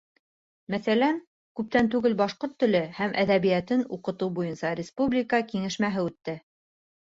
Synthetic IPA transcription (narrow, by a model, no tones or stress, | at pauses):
mæθælæŋ | kʉp̚t̪ænt̪ʉɡɘlbɑʃqoɾt̪ːɵ̆lɘhæmʔæðæβijæt̪ɘnuqɤ̆t̪ɤwbujɤnsɑɾʲɪspublʲikɑkiŋɘ̆ʃmæɦɘʉt̪ːɘ